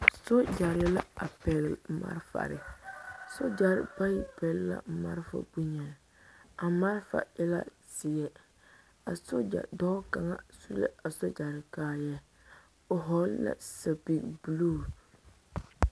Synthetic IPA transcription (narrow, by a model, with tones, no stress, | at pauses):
so˦d͡ʒa˨ɾɪ˦ɛ˦la̰˦a˨pɛ˨llma̰˦ɾfa̰˨ɾɪ̰˨so˦d͡ʒa˨ɾɪ̰˨pa˦ji˨pɛ˨lla̰˨ma̰˦ɾfa̰˨bu˦ɲɛ˨ | a˨ma˦ɾfa̰˨ɪ˦la̰˦ | sɪ˨jɛ˨ | a˨so˦d͡ʒa̰˨dɔ˦ka˨ŋa˦su˦lḛ˦a˨so˦d͡ʒa˨ɾɪ˨kaː˦jɛ˦ | o˨ɦɔ˨˦lla̰˨sa˨bi˨kbu˨loː˦˨